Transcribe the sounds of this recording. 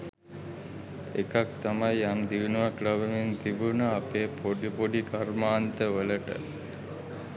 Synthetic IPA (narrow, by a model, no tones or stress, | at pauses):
ekak̚t̪amajamd̪iʋnuʋaklaʋəment̪ibunəapeːpoɖipoɖikaɾmaːnt̪əʋələʈə̰